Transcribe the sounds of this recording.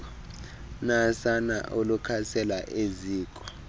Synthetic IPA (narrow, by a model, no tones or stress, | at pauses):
nasana̰ʔolukʰasɛlaʔeziːkʼɔ̥